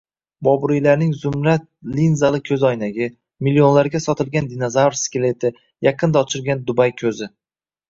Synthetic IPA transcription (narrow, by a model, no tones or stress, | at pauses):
bɒbʊɾijlaɾnɪŋzʊmɾat̪̚linzalˠɪkʲʰɵzɒjnaɡʲɪ | milːio̞nlaɾɡʲasɒt̪ʰɪlˠɡʲand̪inozawɾskʲɪle̞t̪ʰɪ | jɑqʰɨnd̪aɒt͡ʃʰɪlˠɡʲand̪ʊbajkʲʰɵzɪ